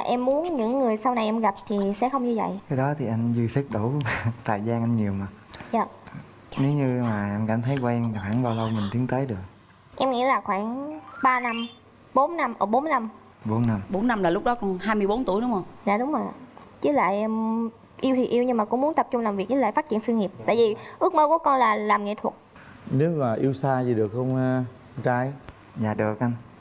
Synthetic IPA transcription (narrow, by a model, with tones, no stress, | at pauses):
a˨˩ʔɛ˧mːu˨˦ənɲɨ̰˧˥ŋːɨ˨˩əjsa˧wna˨˩jʔɛ˧mɣa˨˩p̚t̪ʰi˨˩sɛ̰˧˥xə˧wŋ͡mɲɨ˧və̰˧˨jkaː˨˦jɗɔ˨˦t̪ʰi˨˩ʔa˧jŋzi˧si˦˥k̚ɗu˧˩t̪aː˨˩jzaː˧nʔa˧nɲi˨˩əwma˨˩za̰ː˧˨˩ | ne˨˦wɲɨ˧maː˨˩ʔa˧nka̰˧˩mt̪ʰə˨˦jkwɛː˧ŋvaː˨˩xwa̰ː˧˩˦ŋɓaː˧wlə˧wmï˨˩ŋ̟t̪ʰi˨˦əŋt̪əː˨˦jɗɨ˨˩ək̚ | ʔɛ˧mŋḭ˧˥laː˨˩xwaː˧˩ŋɓaː˧na˧m | ɓo˨˦nːa˧mʔəː˧˩ɓo˨˦nna˧m | ɓo˨˦nːa˧mɓo˨˦nːa˧mlaː˨˩lʊ˦˥k͡p̚ɗɔ˨˦kɔ˧˩nhaː˧jmɨ˧jɓo˨˦nt̪u˧˩jɗʊ˨˦ŋ͡mhə˧wŋ͡mza̰ː˧˨ɗʊ˨˦ŋ͡mə˨˩t͡ɕɨ˨˦la̰ː˧˨jʔm | ʔi˧wt̪ʰi˨˩ʔi˧əwɲɨ˧ŋmaː˨˩kʊ̰˧˥ŋ͡mmu˦nt̪ə˨˩p̚t͡ɕʊ˧ŋ͡mlaː˨˩mvi˨˩ək̚t͡ɕɨ˨˦laː˧˨fa˦˥t̚t͡ɕḭ˧˨ənswi˧ŋi˨˩p̚t̪a̰ː˧˨jvi˨˩ʔɨ˦˥ək̚məː˧ku˨˦kɔ˧nlaː˨˩laː˨˩mŋḭ˧˥t̪ʰwə˨˩t̚ | nɨ˨˦vaː˨˩ʔi˧wsaː˧zi˨˩ɗɨ˨˩ək̚xə˧wŋ͡m | t͡ɕaː˧j | za̰ː˨˩ɗɨ˨˩ək̚ʔa˧n